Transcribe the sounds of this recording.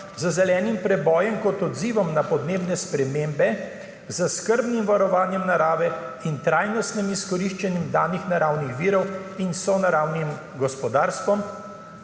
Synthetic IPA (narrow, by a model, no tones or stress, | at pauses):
zəzɛlɛːnimpɾɛbɔːjɛmkɔt̪ɔd̪ziːʋɔmnapɔd̪neːbnɛspɾɛmeːmbɛ | zəskəɾbnimʋaɾɔʋaːnjɛmnaɾaːʋɛint̪ɾaːjnɔst̪nimiskɔɾiːʃt͡ʃɛnjimd̪aːnixnaɾawnixʋiːɾɔwinsɔnaɾawnim | ɡɔspɔd̪aːɾst̪ʋɔm